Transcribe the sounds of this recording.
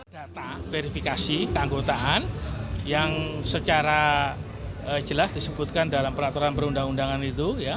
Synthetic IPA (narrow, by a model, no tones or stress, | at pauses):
d̥at̪afeɾifikasikəaŋɡot̪aʔanjaŋsət͡ʃaɾa | əd͡ʒəlasd̥isəbut̪̚kandalampəɾat̪uɾanpəɾundaŋundaŋanit̪uja